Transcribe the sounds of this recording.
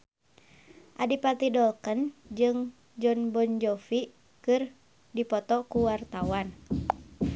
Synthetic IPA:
ʔadipat̪idɔlkənd͡ʒɨŋ | d͡ʒɔnbɔnd͡ʒɔfi | kɨr | dipɔt̪ɔkuwart̪awan

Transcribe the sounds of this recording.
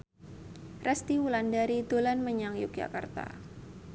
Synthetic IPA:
rɛst̪iwulandaɾid̪̥olanməɲaŋjʊ̰k̚d͡ʒa̰kart̪a̰

